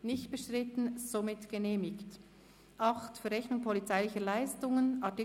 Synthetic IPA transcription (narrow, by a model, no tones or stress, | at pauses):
nɪçtb̥əʃtɾɪtn̩z̥omɪtɡ̥əneːmɪkt | ʔɑχtfəɾɛçnʊŋpʰɔlit͡saɪlɪçəlaɪstʊŋənʔɑtɪ